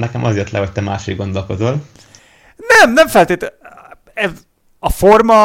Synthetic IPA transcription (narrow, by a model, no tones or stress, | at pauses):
nɛkɛmʔɒzeːrt̪lɛɦo̞c̚t̪ɛmaːʃiɡɡo̞nd̪o̞lko̞zol | nɛmnɛɱfɛlt̪eːt̪ | ɛz | ɒfo̞rmɒ